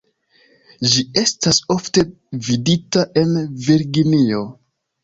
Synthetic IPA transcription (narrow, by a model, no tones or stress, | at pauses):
d͡ʒie̞staso̞fte̞ | viditaʔe̞nviɾɡinio̞